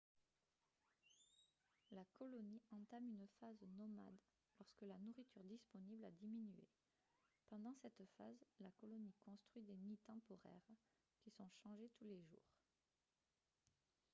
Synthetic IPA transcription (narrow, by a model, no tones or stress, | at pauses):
lakɔlɔniɑ̃t̪amynfaznɔma̰d̪ | lɔʁskəlanuʁit̪yʁd̪ispɔniblad̪iminyḛ | pɑ̃d̪ɑ̃sɛt̪fa̰zlakɔlɔnikɔ̃st̪χɥid̪enit̪ɑ̃pɔʁɛ̰ʁ | kʲisɔ̃ʃɑ̃ʒet̪uleʒṵːʁ